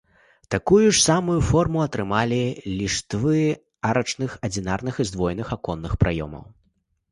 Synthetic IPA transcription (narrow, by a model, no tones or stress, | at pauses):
t̪akujuʂsamujufɔrmuɐt̪ɾɨmalʲilʲiʂt̪vɨ | aɾɐt͡ʂnɨxɐd͡zʲinarnɨxɨzd̪vɔjnɨxakɔnːɨxpɾʔajɔ̰mɐ̰w